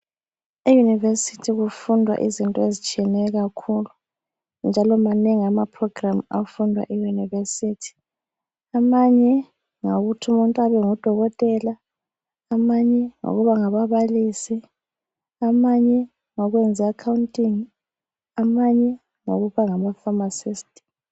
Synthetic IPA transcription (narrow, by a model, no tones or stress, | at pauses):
ijunivesitʰiɣufundʱwa̰ʔizintʼɔezit͡ʃʼiɛnɛɣakʰulu | nd͡ʒʱalɔmaneŋiamapʰrɔɡ̥rama̰fundʱwa̰ʔijunivesitʰi̥ | amaɲɛ | ŋoɣutʰumuntʼaβɛŋɔd̥ʱɔɣɔtʼɛla | amaɲɛŋo̰ɣuβaŋaβaβalisi | amaɲɛ | ŋɔɣwɛnd͡zʱɛakʰawuntʼiŋ | amaɲɛ | ŋo̰ɣuβaŋamafamasistʼi̥